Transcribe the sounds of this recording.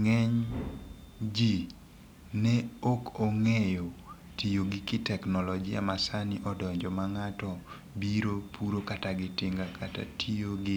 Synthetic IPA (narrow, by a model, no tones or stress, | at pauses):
ŋɛɲ | d͡ʒi | nɛokoŋɛjo | tijoɡɪkɪtɛknɔlɔd͡ʒia̰masaniʔɔdɔɲd͡ʒɔmaŋatɔ | biɾopʰuɾokataɡɪtɪŋɡakʰata̰tʰijoɡɪ